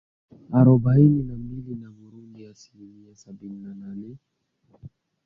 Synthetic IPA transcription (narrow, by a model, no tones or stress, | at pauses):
aɾɔbaininamilinamuɾundiasilimiasabininananɛ